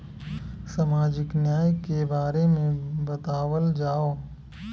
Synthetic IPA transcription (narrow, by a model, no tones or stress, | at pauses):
samaːd͡ʒɪknjaːjkebaːɾemẽbɐt̪aːwəld͡ʒaːo